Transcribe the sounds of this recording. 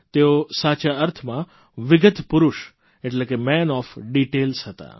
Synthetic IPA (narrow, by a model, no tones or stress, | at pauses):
t̪eosat͡ʃaəɾt̪ʰmã | ʋɪɡət̪ʰpʊɾʊʃ | eʈlekemɛnɔfɖiʈelsɦət̪a̰